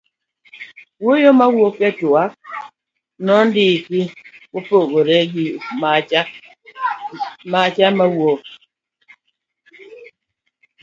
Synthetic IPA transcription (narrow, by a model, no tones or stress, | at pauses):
wojomawokɛtoak̚ | nɔndikiwopoɣoɾɛɡim | mat͡ʃamawok̚